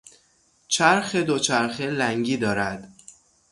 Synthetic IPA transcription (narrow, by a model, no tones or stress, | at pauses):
t͡ʃʰæɾxed̪ot͡ʃʰæɾxelæŋɟiːd̪ɒːɾæd̪̥